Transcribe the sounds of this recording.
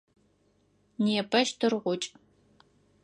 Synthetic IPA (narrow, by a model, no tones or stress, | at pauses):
neɛpʰɐʃtʰɨrʁʷʊt͡ʃʼ